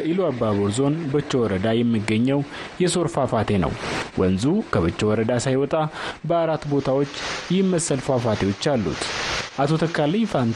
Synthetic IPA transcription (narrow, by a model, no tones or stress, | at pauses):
əiloabaβoɾzo̞nbɨt͡ʃːɛwɔɾəd̪ajɛmːɨɡːəɲːɛwjɛso̞ɾfafat̪ʰe̞nə̰wwʔə̰nzukʰəβɨt͡ʃːɛwɔɾəd̪asajwɔt̪ʼabəaɾat̪ːbo̞t̪ʰawo̞t͡ʃːjɛmːəsːəlfafat̪ʰe̞wo̞t͡ʃːalːṵt̪ʔat̪ʰo̞t̪ʰəkʰːalijfant̪